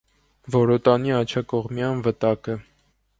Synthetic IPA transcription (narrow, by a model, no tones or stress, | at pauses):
vɔɾɔt̪ɑniɑt͡ʃʰɑkɔʁmjɑnvət̪ɑkə